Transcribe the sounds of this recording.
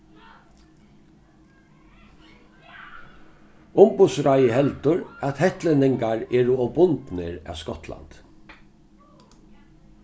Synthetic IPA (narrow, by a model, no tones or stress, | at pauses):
ʊmbʊsɾajəɦɛlt̪ʊɾæt̪hɛht̪lɪnɪŋkaɹɛːɾʊɔbʊnt̪nɪɾa̰ːʋskɔt̪la̰nt̪